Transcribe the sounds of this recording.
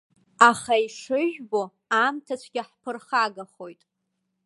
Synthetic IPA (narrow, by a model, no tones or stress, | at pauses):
aχaiʂɨʒᶣbo | amtʰat͡ʃʷʰɡʲɪħpʰɨrχaɡaχo̞jtʼ